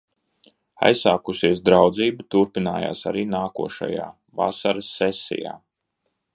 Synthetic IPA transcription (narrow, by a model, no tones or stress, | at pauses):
a̰jsːaːkusiɛs̬d̪ɾawd̪ziːbut̪uɾpinaːja̰ːsaɾiːnaːkuɔʃa̰jaː | va̰saɾɐsːɛsḭja̰ː